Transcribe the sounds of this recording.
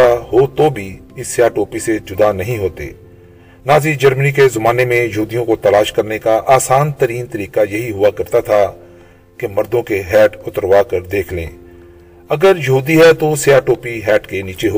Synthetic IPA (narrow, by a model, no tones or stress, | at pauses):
aɦoːt̪obʱiɪsːeaːʈoːpised͡ʒʊd̪anɐɦĩɦoːt̪ḛː | naːzid͡ʒəɾmənikezɐmaːnemẽjɐɦuːd̪ijõkot̪ɐlaːʃkɐɾnekaʔaːsaːnt̪əɾiːnt̪əɾiːkajɐɦiɦʊakɐɾt̪at̪ʰa | kemɐɾd̪õkeɦɛːʈʊt̪əɾʋaːkəɾd̪eːkʰlḛ̃ː | ɐɡəɾjɐɦuːd̪iɦɛt̪oseaːʈoːpiɦɛːʈkeniːt͡ʃeɦoː